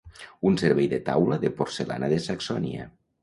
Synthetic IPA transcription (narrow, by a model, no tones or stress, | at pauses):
unseɾβɛjðet̪a̰wləðepoɾsela̰naðesaksɔnḭa̰